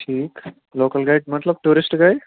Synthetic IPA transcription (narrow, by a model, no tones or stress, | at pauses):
ʈʰiːk | loːkəlɡajʈmət̪ləb̚ʈuːɾisʈɡaj